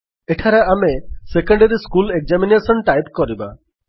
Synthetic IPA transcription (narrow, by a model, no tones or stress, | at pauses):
eʈʰaɾaamesekɔɳɖeɾiskulek̚d͡ʒaminesɔnʈajpkɔɾiba